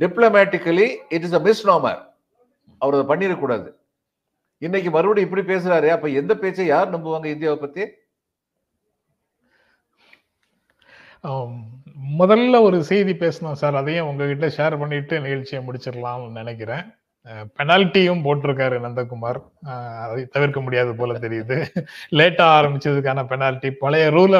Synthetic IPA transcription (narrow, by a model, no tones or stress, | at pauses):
ɖɪplɐmaːʈːɪkːɐliɪʈ̬ɪs̬ɐmɪsnoːmɐ̰ɾ | ɐʋɐɾɐðɐpɐɳːiɾɐkːuːɽa̰ːðɯ | ɪnːɛk̬ʲːɯmɐɾɯbɐɽiɪpːɐɽipeːs̬ɯɾaːɾeːɐpːɐːɛnd̪ɐpeːt͡ʃːɐjaːɾnɐmbɐʋaːŋɡɐɪnd̪ɪjaːʋɯpːɐt̪ːɪje | mʊðɐlːɐɔɾɯsɛɪðipeːsɐnãːsaːɾɐðɐjʊ̃ʊŋɡɐkɪʈːɐʃeːɾpɐɳːɪʈːɯnɪɣɐɭt͡ʃːɪjɐmʊɽɪt͡ʃːɪɾɐlãːmnɪnɛk̬ːɪɾẽː | pɛnaːlɪʈːijɯmpoːʈːɪɾɯk̬ːaːɾɯnɐnd̪ɐkːʊmaːɾ | ɐðt̪ɐʋɪɾkɐmʊɽɪjaːðɯpoːlɐt̪̬ɛɾɪjɐðɯleːʈːaːaːɾɐmbɪt͡ʃːɾɐðɯkːaːnɐpɛnaːlɪʈːipɐlɐjɐɾuːl